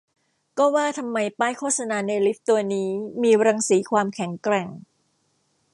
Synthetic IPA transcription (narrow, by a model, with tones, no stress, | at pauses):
kɔː˥˩waː˥˩t̪ʰa˧mːa˧jpaː˥˩jkʰoː˥˩t̪̚sa˧naː˧na˧jli˦˥p̚t̪u˧ɐniː˦˥miː˧ɾa˧ŋsiː˩˦kʰwaː˧mkʰɛ˩˦ŋkɾɛ˨˩ŋ